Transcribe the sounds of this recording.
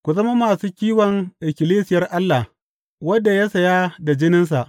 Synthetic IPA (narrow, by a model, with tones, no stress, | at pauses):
kʷu˨zɐ˦ma˦maː˨suː˦kʲiː˦wɐ˨ŋʔɪ˨kʲɪ˨liː˦sɪ˨jɐ˦rʔa˦lːa˨ | wɐ˦dːa˨ja˦sɐ˨ja˦da˨d͡ʒɪ˦nɪ˦ns̬a˨ʔ